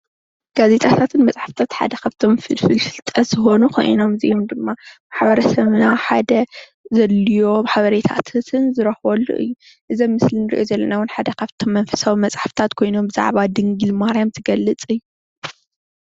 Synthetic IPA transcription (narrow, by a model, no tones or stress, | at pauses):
ɡ̥aze̞t̪ʼʰat̪ʰat̪ʰɨnmɐt͡sʼħaft̪ʰat̪ħa̰d̪ɐkʰaβt̪ʰo̞mfɨlfɨlfɨlt̪ʼɐz̥ɨxo̞nukʰo̞̰j̰no̞mzḭjomd̪ɨmːamaħbɐɾɐsɐβnaħad̪ɐ | zɐlːijo̞maħaβɐɾet̪ʰa̰t̪ʰt̪ʰɨnzɨɾɐxwɐlːṵʔɨ̰jːu | ʔɨzɐmːɨslɨnɨɾḭʔo̞zɐlːɐnawʊnħad̪ɐkʰaβt̪ʰo̞mːɐnfɐ̥sawimɐt͡sʼħaft̪ʰat̪kʰo̞jno̞mbɨza̰ʕβad̪ɨŋɡɨlmaɾjamt̪ʰɨɡɐlːɨt͡sʼɨjːu